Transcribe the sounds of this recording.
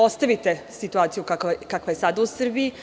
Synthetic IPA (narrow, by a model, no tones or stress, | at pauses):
o̞st̪aʋit̪esit̪uaːt̪sijukakkakʋajesad̪ausr̩bii